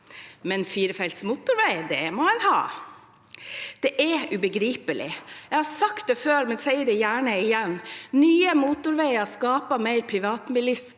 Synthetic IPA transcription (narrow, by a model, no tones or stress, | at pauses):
mɛnfiːɾəfɛlt̪smuːt̪ʊɾʋæɪd̪ɛmɔɛnhɑ̰ː | d̪̥ɛʔɛʉbəɡɾiːpəlɪ̰jɛɪhɑɾsɑkt̪̚d̪ɛːføːɾmɛnsɛɪəd̪ɛjæːɳəɪjɛnnyːəmuːt̪ʊɾʋæɪɑskɑːpɑmæɪɾpʰɾɪʋɑːt̪mɪlɪs